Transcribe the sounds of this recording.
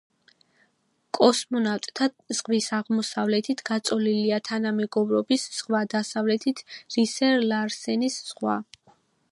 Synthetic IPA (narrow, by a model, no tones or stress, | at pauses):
kʼɔsmɔnaft̪ʼt̪ʰa | z̥ʁwisaʁmɔsavlɛt̪ʰit̪ʰɡat̪sʼɔliliat̪ʰanamɛɡɔbɾɔbisz̥ʁwad̪asavlɛt̪ʰit̪ʰɾisɛɾlaɾsɛnisz̥ʁwa